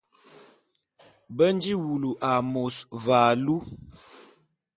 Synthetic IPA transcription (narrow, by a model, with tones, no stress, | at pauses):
bə˦n˦d͡ʒi˦wu˨lu˨ʔa˨mo˨svaː˨lu˦